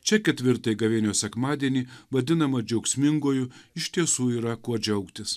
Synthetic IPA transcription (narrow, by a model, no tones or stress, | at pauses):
t͡ʃʲɛkʲɛt̪ʲʋʲɪɾt̪ɐjɡɐʋʲɪnʲoːsʲɛkmɑːd̪ʲiɛnʲiːʋɐd̪ʲɪnɐmɐd͡ʒʲɛʊksʲmʲɪŋɡoːjʊɪʃʲt̪ʲiɛsuːiːɾɐkuɔd͡ʒʲɛʊkt̪ʲɪs